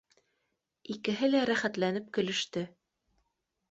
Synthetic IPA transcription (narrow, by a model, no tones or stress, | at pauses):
ikɘ̆ɦɘlæɾæχæt̪lænɘp̚kɵ̆lɵ̆ʃt̪ɘ